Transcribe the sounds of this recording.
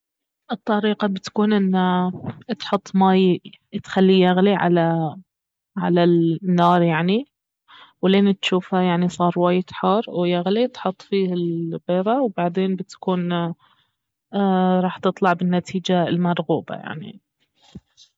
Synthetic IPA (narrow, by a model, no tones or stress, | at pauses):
ʔɨt̪ˤːɑɾiːqɑbɪt̪kuːnʔɪnːat̪ħʊt̪ˤːmaːjt̪xalːijaɣliʕa̰la | ʕa̰lanːɑːɾˤjaʕni | wleːnt̪ʃuːfhajaʕnisˤɑːɾˤwaːjɪt̪ħɑːɾˤwjaɣlit̪ħʊt̪ˤːfiːɪlbeːɾˤɑwbaʕd̪eːnbɪt̪kuːn | ɾˤɑːħt̪ɨt̪ˤlɑʕbɪnːat̪ʰiːd͡ʒaɪlmɑɾˤɣuːba̰ja̰ʕnḭ